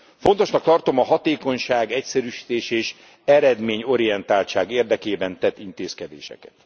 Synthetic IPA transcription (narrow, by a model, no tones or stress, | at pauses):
fo̞nt̪o̞ʃnɒk̚t̪ɒrt̪o̞mɒɦɒt̪eːko̞ɲʃaːɡɛcsɛɾyːʃi̥t̪eːʃeːʃ | ɛɾɛd̪meːɲo̞ɾijɛnt̪aːlt͡ʃaːɡeːrd̪ɛkeːbɛnt̪ɛt̪ːint̪eːskɛd̪ḛːʃɛ̰kɛ̥t̪